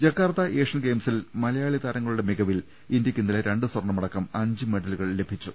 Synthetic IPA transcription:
d͡ʑɐkːaːrt̪ɐʔeːʂɐnɡe̞ːmsilmɐlɐjaːɭit̪aːɾɐŋːɐɭuɽe̞miɡɐʋil | indjɐkʲːund̪ileɾe̞ɳɖɨswɐrɳːɐmɐɽɐkːɐmɐɲd͡ʑɨmeɽɐluɣɐɭle̞bʱit͡ɕːu

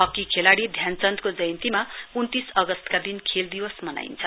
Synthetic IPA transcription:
ɦʌkːikʰelaɽid̪ʱjant͡sʌnt̪kod͡zʌjnt̪imaunt̪isʌɡʌst̪kad̪inkʰeld̪iwʌsmʌna̰int͡sʰʌ

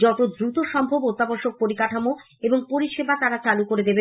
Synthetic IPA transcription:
d͡ʑɔʈod̪ɾut̪oʃɔmbʱobot̪ːaboɾʃok̚poɾikaʈʰamo | eboŋpoɾiʃebat̪aɾat͡ɕalukoɾed̪ebe

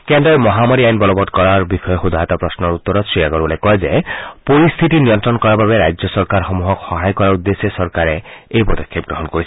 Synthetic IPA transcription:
kend̪ɾɔjmɔɦamaɾiajnbɔlɔbɔd̪̚kɔɾaɹbixɔjɔxud̪ʱaɦɔt̪apɾɔsnɔɾut̪ːɔɾɔsɹiaɡɔɾbɔlekɔɦezepɔɾist̪ʰit̪inijɔnt̪ɾɔnkɔɾababeɾajd͡ʒɔsɔɾkaɾxɔmuɦɔkxɔɦajkɔɾaud̪ːesesɔɾkaɾeejpɔd̪ɔkʰːep̚ɡɾɔɦɔnkoɾisʰ

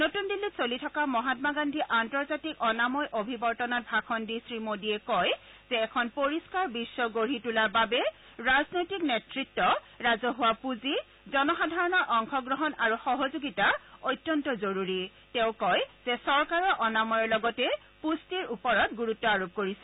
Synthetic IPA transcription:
notundilːisolitʰɔkamɔɦatmaɡandʱiʔantɔɹzatikɔnamɔjʔobʱibɔɹtɔnɔt̚bʱakʰɔndisɹimodiɛkɔj | z̥ɛːkʰɔnpoɹiskaɹbisːɔɡoɹitulaɹbabɛ | ɹaznojtiknetɹitːɔ | ɹazɔɦʊwapuzi | zɔnɔxadʱaɹɔnɔɹʔɔŋxʰɔɡɹɔɦɔnaɹuxɔɦozoɡitaojtːjɔntɔzoɹuɹi | tẽʊ̃kɔjz̥ɛsɔɹkaɹɔʔɔnamɔjɔɹlɔɡɔtɛ | pustiɹupɔɹɔtɡuɹutːɔaɹop̚koɹisɛ

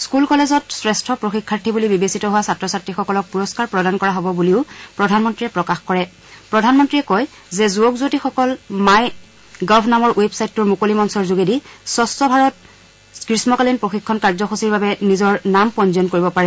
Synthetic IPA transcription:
skulkɔlezɔtsɹɛstʰɔpɹoxikʰːaɹtʰibulibibesitɔɦʊwasatɹɔsatɹixɔkɔlɔk̚puɹɔskaɹpɹɔdankɔɹaɦɔbɔbuliʊpɹɔdʱanmɔntɹiɛpɹɔkaxkɔɹɛ | pɹɔdʱanmɔntɹiɛkɔj | zɛzuɔkzutixɔkɔlmaj | ɡɔbʰʱnamɔɹwebsajtːuɹmukolimɔnsɔɹzuɡedisɔstɔbʱaɹɔt̚ | kɹismɔkalinpɹoxikʰːɔnkaɹzɔxosiɹbabɛnizɔɹnampɔnziɔnkoɹibɔpaɹɛ

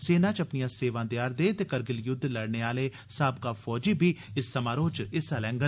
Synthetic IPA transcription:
seːnãːt͡ʃəpnijãːseːʋãːd̪jaːɾd̪eːt̪eːkəɾɡɪljʊd̪ʱːləɽneːaːleː | saːbkaːfʰɔːd͡ʒiːbʱiːɪsːəmaːɾoːt͡ʃɪsaːlɛ̃ːŋɡə

